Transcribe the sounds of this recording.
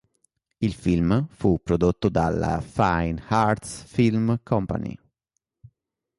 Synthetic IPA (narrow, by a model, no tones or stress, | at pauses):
ilfilmfupːɾod̪ot̪ːod̪ala̰fajnhaɾt̪sfilmkʰɔmpa̰nḭ